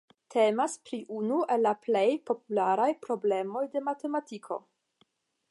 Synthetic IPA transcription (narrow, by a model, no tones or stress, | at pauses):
tʰe̞maspɾiʔunue̞lːaplejpo̞p̚ulaɾajpɾo̞ble̞mo̞jde̞mate̞matikʰo̞̰